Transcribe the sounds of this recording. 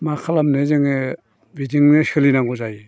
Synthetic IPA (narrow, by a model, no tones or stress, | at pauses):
makʰalamnezɯŋe | bidiŋnesɯlinaŋɡɔzaj